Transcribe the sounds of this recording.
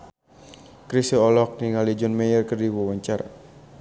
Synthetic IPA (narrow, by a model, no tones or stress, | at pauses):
kɾisiɔlɔk̚niŋalid͡ʒɔnmɛjərkərdiwɔwaɲt͡ʃara